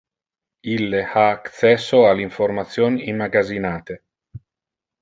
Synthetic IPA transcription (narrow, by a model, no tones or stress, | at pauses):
ilːehaːkt̪sɛsːoaliɱfoɾmat̪sjonimːaɡazinaːt̪e